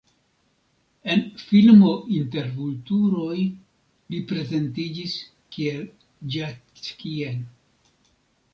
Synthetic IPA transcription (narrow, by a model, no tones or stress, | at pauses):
e̞nfilmo̞ʔinte̞ɾvultuɾo̞j | lipɾe̞ze̞ntid͡ʒis | kiel | d͡ʒa | t͡skiel